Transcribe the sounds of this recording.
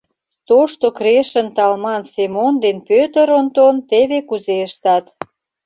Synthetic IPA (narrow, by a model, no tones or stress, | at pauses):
t̪oʃt̪okɾeʃə̆nt̪ɑlmɑnsemond̪enpøt̪ə̆ɾont̪ont̪eβekuzeəʃt̪ɑt̪